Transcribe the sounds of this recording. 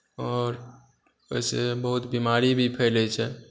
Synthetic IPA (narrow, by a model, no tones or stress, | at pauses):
ɔːɾ | əjsebəɦut̪bimaɾibʱipʰɛɪlɛt͡ʃʰɛ